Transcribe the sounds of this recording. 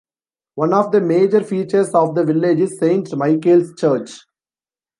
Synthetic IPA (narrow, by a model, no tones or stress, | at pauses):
ʋʌ̃nɔːʋd̪əmeːd͡ʒəɾfiːt͡ʃəɾsɔːʋd̪əʋɪlːed͡ʒɪzsẽːɳʈmaɪkelst͡ʃəːɾt͡ʃ